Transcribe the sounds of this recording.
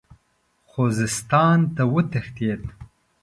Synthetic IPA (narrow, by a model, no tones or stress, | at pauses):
xozɪst̪ɑːnt̪awət̪ɐxt̪eːt̪